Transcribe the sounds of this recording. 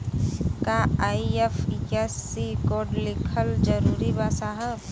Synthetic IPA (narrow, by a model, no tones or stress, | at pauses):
kaaːiefesːikoːɾɖlɪkʰəld͡ʒəɾuːɾibaːsaɦə̃